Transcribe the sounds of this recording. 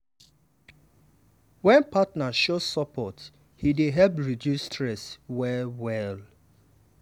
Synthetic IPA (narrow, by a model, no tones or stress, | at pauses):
wɛ̃npatnaʃosɔpʰɔt | hideɦɛlpɹidjustʰɹɛswɛwɛl